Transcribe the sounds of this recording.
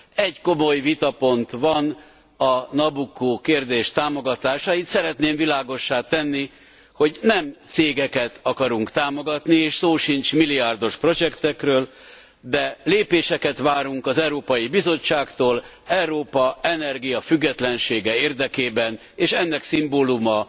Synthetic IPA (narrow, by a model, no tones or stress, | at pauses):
ɛɟko̞mo̞jvit̪ɒpo̞nt̪ʋɒn | ɒnɒbukːokeːrd̪eːʃt̪aːmo̞ɡɒt̪aːʃait̪sɛɾɛt̪neːmvilaːɡo̞ʃːaːt̪ɛnːi | ho̞ɟnɛmt̪seːɡɛkɛt̪ʰɒkɒɾuŋkt̪aːmo̞ɡɒt̪nieːʃsoːʃint͡ʃmiliaːrd̪o̞ʃpro̞d͡ʒɛkt̪ɛkrøːl | d̪ɛleːpeːʃɛkɛt̪ʋaːɾuŋkɒzɛuɾoːpɒjibizo̞t͡ʃːaːkt̪oːl | ɛuɾoːpɒɛnɛrɡijɒfyɡːɛt̪lɛnʃeːɡɛeːrd̪ɛkeːbɛn | eːʃɛnːɛksimboːlumɒ